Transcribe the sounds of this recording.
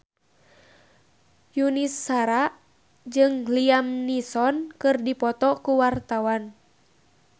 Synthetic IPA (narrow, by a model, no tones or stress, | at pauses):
junisːaɾaʔ | d͡ʒɨŋliamnisɔnkɨrdipɔt̪ɔkuwart̪awan